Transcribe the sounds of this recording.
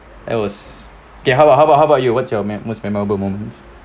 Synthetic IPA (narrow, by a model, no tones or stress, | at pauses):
a̰t̚wɔs | okeɦabaʔɦaʊbaʊɦaəbaʊtjuwɔtsjɔmɛmosmɛmɔɹəbəlmõmə̃nt